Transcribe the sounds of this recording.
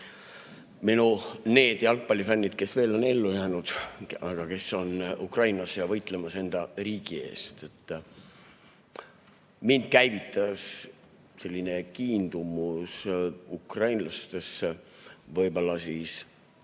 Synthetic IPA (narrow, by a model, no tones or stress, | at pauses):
minune̞ːd̪̥ɑlk̚pɑlʲːifænːid̪̥ke̞sve̞ːlo̞ne̞lːujæːnud̪̥ɑɡ̥ɑke̞sːo̞nukrɑjnɑsjɑvɤjt̪ˑle̞mɑse̞nd̪̥ɑriːɡ̥ie̞̰ːst̪e̞t̪ːˑ | mind̪̥̚kæjvit̪ːˑɑs | se̞lʲːinekiːnd̪̥umusukrɑjnlɑst̪e̞sːevɤjbo̞lːɑsiːs